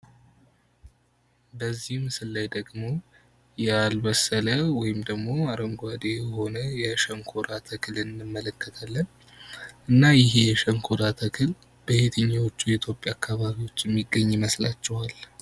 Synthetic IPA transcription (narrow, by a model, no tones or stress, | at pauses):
bəzːihmsɨlːajd̪əɡmo̞ | jɛalbəsələwɔjɪmd̪əɡmo̞aɾəŋɡʷad̪e̞jɛho̞nəjɛʃəŋkʰoɾat̪ʰəkʰɨlɨnːɨmːələkːət̪ʰalːən | ʔɨnːajɪɦe̞jɛʃəŋkʰoɾat̪ʰəkʰɨl | b̥əhet̪ʰəɲːawot͡ʃːujɛit̪ʰjo̞pʼːjaːkːaβaβiwo̞t͡ʃːjɛmːiɡːəɲːməslat͡ʃːɛwal